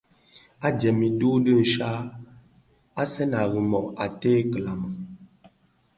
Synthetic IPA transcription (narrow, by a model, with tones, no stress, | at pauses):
a˦djɛ˨mi˨du˦də˦˨ʃa˦ | a˦sɛ˦na˨ɣi˨mɔ˨a˨teː˦kə˨la˨mə˨